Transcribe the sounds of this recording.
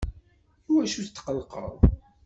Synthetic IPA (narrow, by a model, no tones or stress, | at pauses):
uæʃuθt̪ːqəlqə̰ðˤ